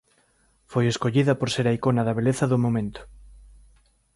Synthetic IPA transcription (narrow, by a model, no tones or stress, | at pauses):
fojeskoʎiðapoɾseɾaikonaðaβ̞eleθaðomomẽnt̪o̥